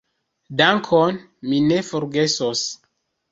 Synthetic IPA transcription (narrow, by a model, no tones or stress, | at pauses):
daŋkʰon | mine̞fo̞ɾɡe̞sos